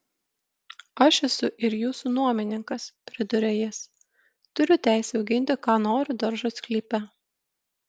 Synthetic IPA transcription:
ɐʃɛsʊʔɪɾjuːsunuɔmʲɪnʲɪŋkɐspʲɾʲɪd̪ʊɾʲɛjɪs | t̪ʊɾʲʊt̪ʲæˑɪsʲɛʊɡʲɪnʲt̪ʲɪkɑːnoːɾʲʊd̪ɐɾʒʊskʲlʲiːpʲɛ

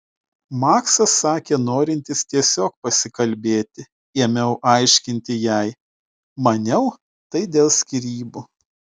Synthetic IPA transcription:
mɑːksɐsːɑːkʲeːnoːɾʲɪnʲt̪ʲɪst̪ʲiɛsʲoːk̚pɐsʲɪkɐlʲbʲeːt̪ʲɪ | emʲɛʊʔɐɪʃʲkʲɪnʲt̪ʲɪjɛɪ | mɐnʲɛʊ | t̪ɐɪd̪ʲeːlˠsʲkʲɪɾʲiːbuː

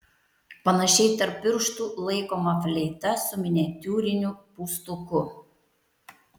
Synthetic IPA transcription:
pɐnɐʃʲɛɪt̪ɐɾpʲːɪɾʃt̪uːlˠɐɪkoːmɐfʲlʲɛjt̪ɐsʊmʲɪnʲɛt̪ʲuːɾʲɪnʲupuːst̪ukʊ

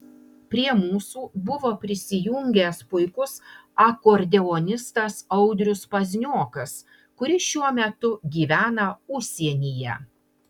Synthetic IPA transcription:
pʲɾʲiɛmuːsuːbʊʋoːpʲɾʲɪsʲɪjʊŋʲɡʲɛˑspʊɪkʊsɐkoːɾʲd̪ʲɛɔnʲɪst̪ɐsɐʊd̪ʲɾʲʊspɐzʲnʲoːkɐs | kʊɾʲɪʃʲuɔmʲɛt̪ʊɡʲiːʋʲæːnɐʊʃʲsʲiɛnʲiːjɛ̰

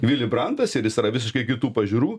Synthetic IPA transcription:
ʋʲɪlʲɪbɾɐnt̪ɐsɪɾjɪsɾɐʋʲɪs̬ʲɪʃkɐɪkʲɪt̪uːpɐʒʲuːɾuː

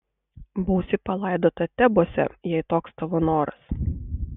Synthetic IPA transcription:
bɐʊsʲɪpɐlˠɑˑɪd̪oːt̪ɐt̪ʲɛboɔsʲɛ̰jɛɪt̪oːkst̪ɐʋɐnoːɾɐ̰s

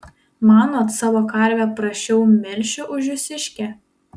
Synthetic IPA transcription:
mɑːnoːt̪sɑːʋoːkɐɾʲˑʋʲɛpɾɐʃʲt͡ʃʲɛʊmʲɪɾʲʃʲʊʔʊʒʲʊsʲɪʃʲkʲɛ

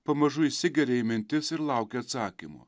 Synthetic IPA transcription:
pɐmɐʒʊisʲɪɡʲɛɾʲeɪmʲɪnʲt̪ʲɪsɪɾlˠɐʊkʲeɐt̪sɑːkʲimʊ̰

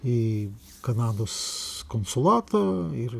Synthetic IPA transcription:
i | kɐnɑːd̪oːskonsʊlˠɑːt̪ɐːɪɾ

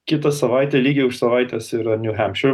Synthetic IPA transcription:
kʲɪt̪ɐsɐʋɑˑɪt̪ʲɛlʲiːɡʲɪʊʃsɐʋɑɪt̪ʲɛːsiːɾɐnʲʊɦʲæmʲʃʊɾ

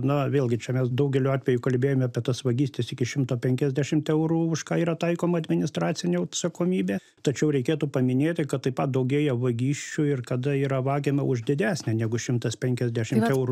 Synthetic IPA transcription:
nɐʋʲeːlˠʲɡʲɪt͡ʃʲɛmʲɛsd̪ɐʊɡʲɛlʲuɑːt̪ʲʋʲɛjukɐlʲbʲeːjoːmʲɐpʲiɛt̪ɐsʋɐɡʲiːsʲt̪ʲɪsɪkʲɪʃʲɪmt̪oːpʲɛŋʲkʲɛzʲd̪ʲæʃʲɪmt̪ɛʊɾuːʊʃkɑːiːɾɐt̪ɐɪkoːmɐɐd̪ʲmʲɪnʲɪst̪rɑːtt͡ssʲɪnʲɛɐt̪sɐkoːmʲiːbʲeː | t̪ɐt͡ʃʲɛʊɾʲɛɪkʲeːt̪upɐmʲɪnʲeːt̪ʲɪkɐt̪t̪ːɐɪpɐt̪̚d̪ɐʊɡʲeːjɛʋɐɡʲiːʃʲt͡ʃʲʊɪrkɐd̪ɐiːɾɐʋɑːɡʲemɐʊʒd̪ʲɪd̪ʲæːsʲnʲɛnʲæɡʊʃʲɪmt̪ɐspʲɛŋʲkʲɛzʲd̪ʲæʃʲɪmt̪ɛʊɾu

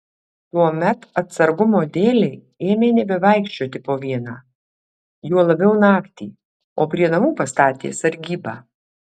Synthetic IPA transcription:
t̪uɔmʲɛt̪ɐt̪sɐɾɡʊmoːd̪ʲeːlʲɛɪ | eːmʲeːnʲɛbʲɛʋɐˑɪkʃʲt͡ʃʲoːt̪ʲɪpoːʋʲiɛnɑː | juɔlˠɐbʲɛʊnɑːkt̪ʲḭː | oːpʲɾʲiɛnɐmuːpɐst̪ɑːt̪ʲḛːsɐɾʲɡʲiːbɑː

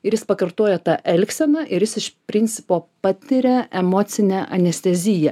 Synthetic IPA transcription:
ɪɾjɪspɐkɐɾt̪oːjɛt̪ɑʔɛlʲksʲɛnɐʔɪɾjɪsɪʃpʲɾʲɪnʲt̪sʲɪpoːpɑt̪ʲɪɾʲɛʔɛmoːt̪sʲɪnʲɛʔɐnʲɛsʲt̪ʲɛzʲɪjɛ

